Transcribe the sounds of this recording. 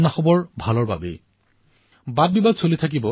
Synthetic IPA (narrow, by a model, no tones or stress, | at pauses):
naxɔbɔɹbʱalɔɹba̰bḛ | bad̚bibadsolitʰak̬ibɔ